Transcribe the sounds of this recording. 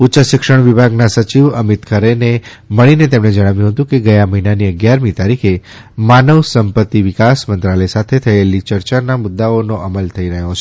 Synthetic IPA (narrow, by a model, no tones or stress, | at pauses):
utːʃəʃɪkʃəɳʋɪbʱaɡnasət͡ʃiʋəmit̪kʰəɾeneməɭinet̪emɽed͡ʒəɽ̃aʋjũɦət̪ũkeɡəjaməɦinaniəɡjaɾmit̪aɾikʰe | manəʋsəmpət̪ːiʋɪkasmənt̪ɾaləjsat̪ʰet̪ʰəelit͡ʃəɾt͡ʃanamʊd̪ːaonoʔəməlt̪ʰəiɾəɦjot͡ʃʰe